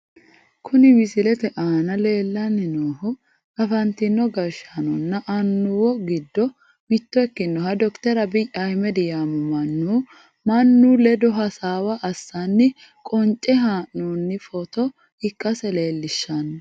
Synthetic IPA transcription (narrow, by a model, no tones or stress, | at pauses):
kʰʊnɪmɪsɪlɛt̪ɛʔaːnɐle̞ːlːɐnːɪnoːhʊ | ɐfɐnt̪ɪnːɔɡɐɾʃanɔnːɐʔɐnːʊwɔɡɪd̪ːɔ | mɪt̪ːɔɛkːɪnːɔhɐd̪ɔkt̪ɛɾɐbɪjahɪmɛd̪ɪjaːmɔmɐnːuː | mɐnːuːlɛd̪ɔɦɐsaːwɐʔːsːanːɪ | kʼɔnt͡ʃʼːɛɦaːʔnuːnːɪfɔt̪ɔ | hɪkʼːɐsɛle̞ːlːɪʃːɐnː